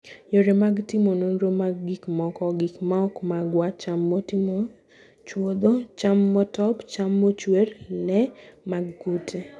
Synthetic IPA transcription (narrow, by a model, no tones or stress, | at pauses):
joɾemaɡtɪmononɾomaɡɡikmɔkɔɡikmaɔkmaɡwat͡ʃamːotɪmo | t͡ʃwod̪ot͡ʃamːɔtɔpt͡ʃamːot͡ʃweɾlɛmaɡːutʰe